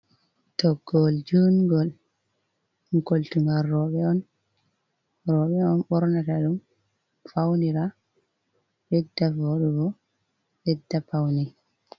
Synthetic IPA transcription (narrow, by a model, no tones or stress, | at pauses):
tɔɡɔld͡ʒunɡɔl | ŋkoltuŋɡaɾːɔɓɛɔn | ɾɔɓɛɔnɓɔɾnataɗum | fawniɾa | jɛdːavɔɗuɡɔ | jɛdːapawni